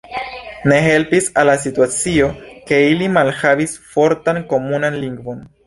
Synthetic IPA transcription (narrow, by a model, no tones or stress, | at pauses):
ne̞ɦe̞lpisalːas̬ituat͡sio̞ke̞ilimalhavisfo̞ɾtanko̞munanliŋɡvo̞n